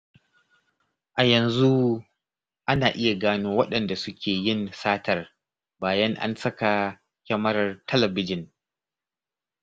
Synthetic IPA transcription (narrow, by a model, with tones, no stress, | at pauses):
ʔa˨jɐ˨nzu˦ | ʔa˦naː˨ʔɪ˦ja˨ɡaː˦noː˦wɐ˦ɗɐ˨nda˨sʊ˦kʲʰeː˨jɪ˦nsaː˦tɐ˨r | baː˨jɐ˦ŋʔa̰˦nsɐ˦ka˨ | kʲɐ˦mɐ˦rtʰɐ˦lɐ˨bɪ˦d͡ʒɪ˨n